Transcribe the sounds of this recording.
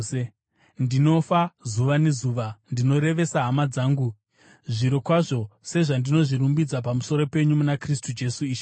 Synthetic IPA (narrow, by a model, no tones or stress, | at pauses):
ndino̞fazuʋane̞zuːʋandino̞ɾe̞ʋe̞saɦamad͡zaːŋɡu | ʐiɾo̞kwaʐo̞se̞ʐandino̞ʐiɾumbid͡zap̬amuso̞ɾo̞pe̞ɲumunakristud͡ʒe̞suiːʃ